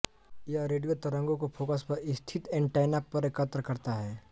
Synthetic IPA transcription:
jaɾeːɖijot̪ɐɾə̃ŋɡõkopʰoːkəspɐɾɪst̪ʰɪt̪ẽɳʈaːɪnapːɐɾkət̪ɾəkɐɾt̪aɦɛː

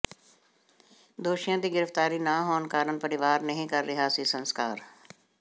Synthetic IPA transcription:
d̪oːʃijãd̪iɡɪɾəft̪aːɾinaɦoːnkaːɾənpɐɾɪʋaːɾnɐɦĩkɐɾːɪɦasisɐ̃nskaːɾ

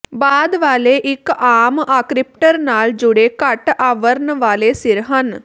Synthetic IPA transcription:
baːd̪ʋaːleːʔɪkaːmaːkɾɪp̚ʈəɾnaːld͡ʒʊɽeːkəʈaːʋəɾnʋaːleːsɪɾɦən

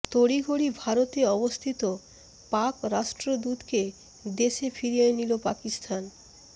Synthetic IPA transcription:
t̪oɽiɡʱoɽibʱaɾot̪eɔbost̪ʰit̪o | pakɾaʃʈɾod̪ut̪ke | d̪eʃefʰiɾienilopakist̪ʰan

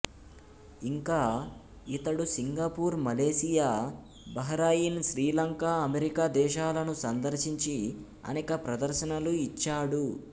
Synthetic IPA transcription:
iŋkaː | it̪ɐɽusiŋɡaːpuːɾmɐleːsijaː | bɐɦɐɾaːjinʃɾiːlɐŋkaːɐmeɾikaːd̪ɛːʃaːlɐnusɐnd̪ɐɾʃiɲt͡ʃi | ɐ̰nɛːkɐpɾɐd̪ɐɾʃɐnɐluit͡ʃːaːɽu

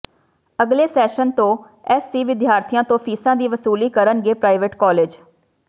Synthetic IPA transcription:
əɡleːsɛːʃənt̪õː | ɛːsːiːʋɪd̪jaːɾt̪ʰijãːt̪õːpʰiːsãːd̪iːʋəsuːliːkəɾənɡeːpɾaːɪʋeʈkɔːleːd͡ʒ

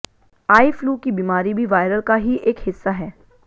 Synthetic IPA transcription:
aːifluːkibiːmaːɾibʱiʋaːɪɾəlkaɦiʔeːkhɪsːaɦɛː

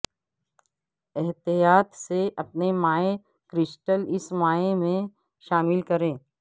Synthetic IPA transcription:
ɛɦt̪ijaːt̪seʔɐpnemaːe | kɾɪsʈəlɪsmaːemẽ | ʃaːmɪlkɐɾẽː

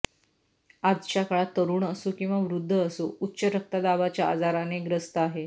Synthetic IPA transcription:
ad͡zt͡ɕjakəɭat̪əɾuːɳəsukĩw̃ʋaʋɾud̪ʱːəːsuutːɕəɾək̚t̪ad̪aʋat͡ɕjaa̰d͡zaɾaneɡɾəst̪əaɦe

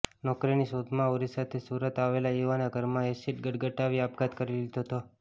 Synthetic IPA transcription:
nɔkɾinisod̪mãoɾisat̪ʰesuɾət̪aʋelajuʋanaɡʱəɾmãesiʈ̚ɡəɽɡəʈaʋiapɡat̪kəɾilid̪oɦt̪o

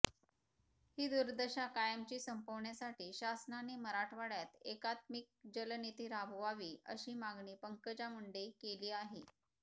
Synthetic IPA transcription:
hiːd̪uɾd̪əɕakajəmt͡ɕiːsəmpoʋɳjasaʈiːɕasnaneməɾaʈʰʋaɽjat̪ekat̪mik̚d͡ʑəlnit̪iːɾabʱʋaʋiːʔə̰ɕiːmaɡɳiːpəŋkəd͡ʑamuɳɖekeliːaɦe

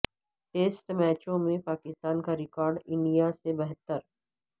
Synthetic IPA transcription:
ʈeːsʈmɛːt͡ʃõmẽpaːkɪst̪aːnkaɾɪkɔːɾɖɪ̃ɳɖijasebɛɦət̪ːəɾ

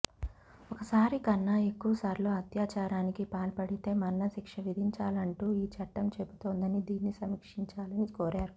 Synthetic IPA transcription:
ɔkɐsaːɾikɐnːae̞kːuʋɐsaːɾlo̞ːɐt̪jaːt͡ʃaːɾaːnikipaːlpɐɽit̪e̞ːmɐnːɐsikʂɐʋid̪ʱiɲt͡ʃaːlɐɳʈuːiːt͡ʃɐʈːɐmt͡ʃe̞put̪oːnd̪ɐnid̪iːnːisɐmikʂiɲt͡ʃaːlɐnikoːɾaːɾu

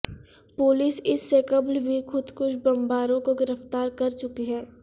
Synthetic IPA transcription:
poːlɪsɪsːekɐblbʱixʊd̪kʊʃʰbɐmbaːɾõkoɡɪɾəft̪aːɾkɐɾt͡ʃʊkiɦɛ̃ː

